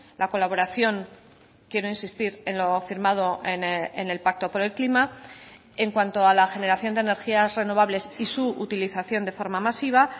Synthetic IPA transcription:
lako̞laβo̞ɾaθjo̞ŋ | kje̞ɾo̞insist̪iɾe̞nlo̞fiɾmað̞o̞enene̞lpak̚t̪o̞po̞ɾe̞lklima | e̞ŋkwant̪oalaxe̞ne̞ɾaθjo̞nd̪ene̞ɾxiasre̞no̞β̞aβ̞le̞sisuut̪iliθaθjo̞nd̪e̞fo̞ɾmamasiβ̞a

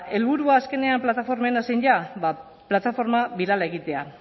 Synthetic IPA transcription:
e̞lβuɾuaːske̞ne̞amplat̪afo̞ɾme̞nasejnʎaβa | plat̪afo̞ɾmaβiɾalae̞ɣit̪e̞a

